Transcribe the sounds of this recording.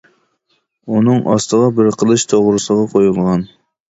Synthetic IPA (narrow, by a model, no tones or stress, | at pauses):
unɨŋʔɑst̪əʁɑbɪɾqʰəlˠɨʃt̪ʰoʁɾɨsəʁɑqʰojulˠʁɑn